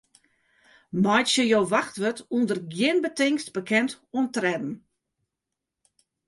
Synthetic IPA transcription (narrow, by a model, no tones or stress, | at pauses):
majtsjəjoːʋaxtʋətundərɡjɪnbətɪŋstbəkʰɛnt | untrɛdn̩